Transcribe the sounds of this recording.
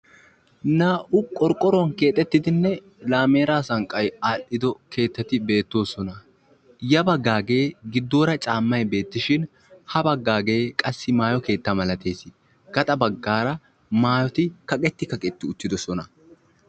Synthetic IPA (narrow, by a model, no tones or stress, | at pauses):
naːʔʊkʼɔɾkʼːɔɾɔŋke̞ːt̪ʼɛt̪ːɪd̪ɪnːɛ | laːme̞ːɾaːsɐŋkʼːɐjaːlːɪd̪ɔkʰe̞ːt̪ːɐt̪ːɪbe̞ːt̪ːo̞ːsɔnɐ | jɐbɐɡːaːɡe̞ːɡɪd̪ːo̞ːɾɐt͡ʃʼaːmːɐjbe̞ːt̪ːɪʃɪn | hɐbɐɡːaːɡe̞ːkʼɐsːɪmaːjɔke̞ːt̪ːɐmɐlɐt̪e̞ːsɪ | ɡ̥ɐt̪ʼɐbɐɡːaːɾɐ | maːjɔt̪ɪkɐkʼɛt̪ːɪkɐkʼɛt̪ːɪʊt͡ʃːɪd̪ɔsɔnɐ